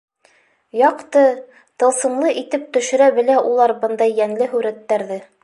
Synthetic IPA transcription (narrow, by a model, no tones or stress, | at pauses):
jɑqt̪ɤ | t̪ɤ̆lˠsɤ̆mlˠɤʔit̪ɘp̚t̪ɵ̆ʃɘ̆ɾæbɘ̆læʔulˠɑɾbɤnd̪ɑjːæŋlɘɦʉɾæt̪ːæɾðɘ